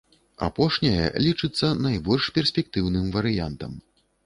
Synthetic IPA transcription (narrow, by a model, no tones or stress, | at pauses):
a̰pɔʂnʲɐjɛ̰lʲit͡ʂɨt̪sːɐnajbɔlʲʂpʲɛrsʲpʲɛk̚t̪ɨwnɨmvɐɾɨjant̪ɐm